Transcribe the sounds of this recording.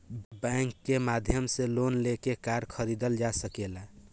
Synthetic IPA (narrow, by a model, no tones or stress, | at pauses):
bɛŋkːemad̪ʱjəmselonlekekaɾkʰəɾid̪əld͡ʒasəkela